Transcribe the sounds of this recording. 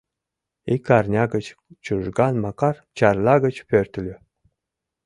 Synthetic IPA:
ikːɑrnʲɑɡə̆t͡ɕt͡ɕuʒɡɑnmɑkɑrt͡ɕɑrlˠɑɡə̆t͡ɕpʲørt̪lʲø

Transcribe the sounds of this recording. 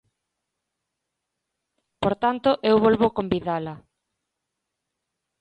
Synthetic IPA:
poɾt̪ant̪oʔewβolβokombiðalɐ

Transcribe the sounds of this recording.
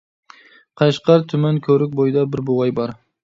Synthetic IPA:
qʰɑʃqʰɑɾt̪ʰʊmankʰɵɾɪk̚ʲbojɪd̪abɪɾbʊwajbɒɾ

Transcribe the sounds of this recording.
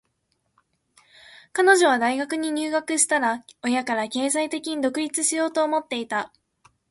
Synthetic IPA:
kano̞ʑo̞β̞ad̪aiɡakɯ̟ɲ̟iɲ̟ɨːɡakɯ̟ɕi̥t̪aɾao̞jakaɾake̞ːzait̪e̞kʲiɲ̟id̪o̞kɯ̟ɾʲit͡sɨɕijo̞ːt̪o̞ːmo̞t̪ːe̞it̪a

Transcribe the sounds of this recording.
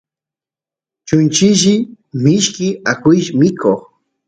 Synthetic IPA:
t͡ʃʊnt͡ʃɪʃɪ | mɪʃkɪakʊjʃmɪkʰoχ

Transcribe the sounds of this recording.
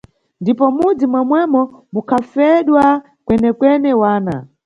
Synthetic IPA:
ndipɔmud͡zimwɛmwɛmɔmukʰafɛɗwa | kwɛnɛkwɛnɛwaːna̰

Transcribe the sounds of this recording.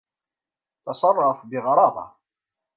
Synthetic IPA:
tɑsˤɑrˤːɑfbɪʁɑɾˤɑbɑ̰

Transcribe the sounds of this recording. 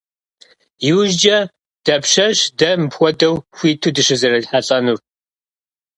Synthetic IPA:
jiwʒd͡ʒɐ | d̥ɐpʂɐʃdɐmpxʷɔdɐwxʷiːtʰudɨʂɨzɐrɐdħaɬʼɐnur

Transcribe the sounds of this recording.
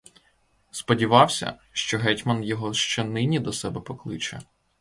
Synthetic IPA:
spɔdʲiʋɑwsʲɐ̰ʃt͡ʃɔɦɛtʲmɐnjɔɦɔʃt͡ʃɛnɪnʲid̪ɔsɛbɛpɔklˠɪt͡ʃɛ̰

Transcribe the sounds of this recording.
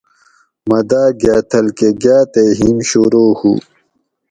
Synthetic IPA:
mɐd̪aːɡjaːt̪ʰɐlkeɡjaːt̪eɦimɕuɾoːhṵ

